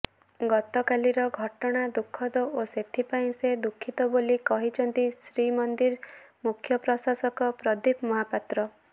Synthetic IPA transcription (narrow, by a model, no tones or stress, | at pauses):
ɡɔt̪ɔkaliɾɔɡʱɔʈɔɽ̃ad̪ukʰːɔd̪ɔʔoset̪ʰipaĩsed̪ukʰːit̪ɔbolikɔɦit͡ʃʰɔnt̪isɾimɔnd̪iɾmukʰjɔpɾɔsasɔkɔpɾɔd̪ipmɔɦapat̪ɾɔ